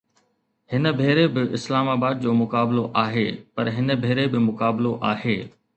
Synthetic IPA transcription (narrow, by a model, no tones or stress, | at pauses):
hɪnəbʱeːɾebɪʔɪslaːmaːbaːd̪̚d͡ʑoːmʊkaːbɪloʔaːɦeːpɐɾɦɪnəbʱeːɾebɪmʊkaːbloʔaːɦeː